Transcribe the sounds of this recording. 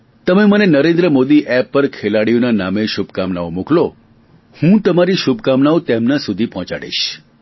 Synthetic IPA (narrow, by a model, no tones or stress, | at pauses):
t̪əmemənenəɾẽnd̪ɾəmod̪iʔɛpːəɾkʰelaɽijonanameʃubkamnaomuklo | hũt̪əmaɾiʃubkamnaot̪emnasud̪ʱipɔɦɔ̃t͡ʃa̰ɽḛʃ